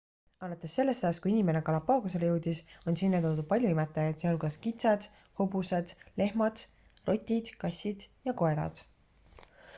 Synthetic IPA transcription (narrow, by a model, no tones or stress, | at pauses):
ɑlɑt̪ːˑe̞sːe̞lːe̞st̪ɑjɑskuinʲime̞nekɑlɑpːˑɑːɡus̬e̞le̞jewd̪̥iso̞nsinːet̪od̪upɑlʲjuimet̪ːˑɑjɑd̪seolkɑskit̪sɑd̪̥ | hobused̪̥le̞hmɑd̪̥ | rʔo̞t̪ʲːid̪̥kɑsʲːid̪̥jɑko̞e̞ɾɑ̰d̪̥